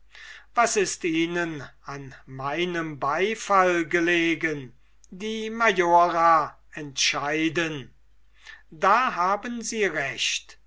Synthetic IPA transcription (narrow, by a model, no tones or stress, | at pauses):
vasɪstiːnənanmaɪnəmbaɪfalɡəleːɡən | diːmajoːʁa | ɛntʃaɪdən | daːɦaːbənziːʁɛʃt